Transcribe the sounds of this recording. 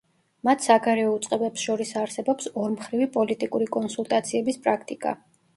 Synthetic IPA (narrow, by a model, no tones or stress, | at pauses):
mat̪ʰsaɡaɾɛɔut̪sʼqʼɛbɛpsʃɔɾisaɾsɛbɔpsɔɾmχɾivipʼɔlit̪ʼikʼuɾikʼɔnsulˠt̪ʼat̪sʰiɛbispʼɾakʰt̪ʼikʼa̰